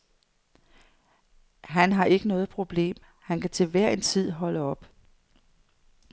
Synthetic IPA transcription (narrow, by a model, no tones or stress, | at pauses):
ɦænɦɑ̈ʔe̝ɡ̥ənɔ̽ːð̞̩ˠpʰʁo̝b̥le̝̰ːm | hænkʰæt͡sʰe̝lʋæɐ̰e̝nt͡sʰið̞̰ˠɦɒ̽ləɒ̽b̥